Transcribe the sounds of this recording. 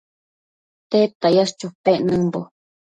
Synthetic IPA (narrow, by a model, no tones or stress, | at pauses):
t̪et̪ajast͡ʃupeʔnɨ̃mbo